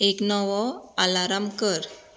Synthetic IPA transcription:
eknɔʋɔalaɾamkəɾ

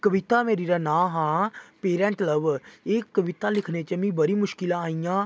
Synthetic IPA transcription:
kəʋɪt̪aːmeːɾiːɾaːnãːɦãːpeːɾɛ̃ːɳʈləʋeːkːəʋɪt̪aːlɪkʰneːt͡ʃəmĩːbəɾiːmʊʃkɪlãːaːijãː

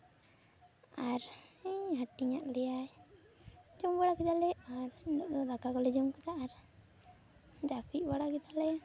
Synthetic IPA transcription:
aɾɦaʈiɲa̰ʔlɛjaj | d͡ʒɔmbaɽakɛd̪alɛaɾdɔʔd̪ɔd̪akakɔlɛd͡ʒɔmkɛd̪aʔaɾ | d͡ʒapʰiʔ̚baɽakɛd̪alɛ

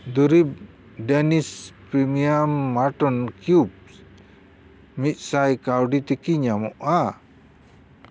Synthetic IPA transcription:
d̪uɾib̚ | dɛnispɾimiamːaʈɔnkjub̚ | mit̪̚ˀsajkawɖit̪ikiɲamɔʔa

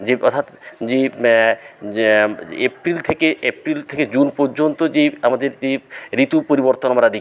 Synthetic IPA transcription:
d͡ʑeɔɾt̪ʰat̪d͡ʑe | epɾilt̪ʰekeepɾilt̪ʰeked͡ʑunpoɾd͡ʑont̪od͡ʑeamad̪eɾeɾit̪upoɾiboɾt̪onamaɾad̪i

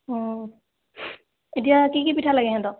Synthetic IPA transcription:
ɔ | et̬ijakikipitʰalaɡɛɦɛ̃t̪ɔ

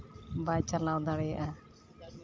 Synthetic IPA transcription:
bajt͡ʃalawd̪aɽɛjʔa

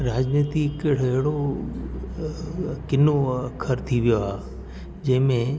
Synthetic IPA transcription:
ɾaːd͡ʒniːt̪ikəɽɛɦɪɽo | kɪnokʰəɾt̪ʰiʋijoɦaː | d͡ʒɐɦmẽ

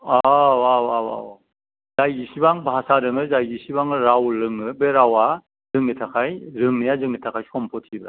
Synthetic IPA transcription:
awawawa̰w | zajɡisibaŋbasaɾɯŋɯzajɡisibaŋɯɾawlɯŋɯbeɾawa | zɯŋnitʰakʰajɾɯŋnijazɯŋnitʰakʰajskʰɔmpʰɔtʰibɾa̰

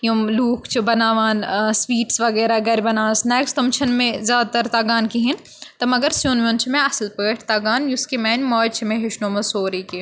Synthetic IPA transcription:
jõmluːkʰt͡ʃʰibɐnaːʋaːnsʋiːʈsʋɐɣɛːɾaɡɛːɾbɐnaːsnɛːkst̪ɐmt͡ʃʰɐnmẽzʲjaːd̪at̪ɐɾt̪aːɡaːnkiɦin | t̪ɐmɐɡɐɾsjõːnʋõːnt͡ʃʰimẽɐslpəːʈʰt̪aːɡaːnjʊskimɛːnʲmɔːt͡ʃʰimẽɦɪʃnoːmɐsoːɾiːke

